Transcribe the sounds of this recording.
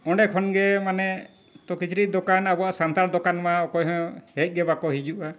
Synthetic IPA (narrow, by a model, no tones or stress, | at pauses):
ɔɖɛkʰɔnɡɛmanɛ | t̪ɔkit͡ʃʰɾid̪ɔkanabɔasant̪aɾd̪ɔkanmaɔkɔjɦɔ̃hɛc̚ˀɡɛbakɔɦid͡ʒuʔa